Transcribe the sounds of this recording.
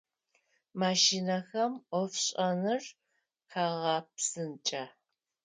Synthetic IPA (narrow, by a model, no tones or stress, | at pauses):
maːʃinɐxɐmʔʷɔfɕʼɐnɨr | kʰaːʁɑpsɨnt͡ʃʼɐ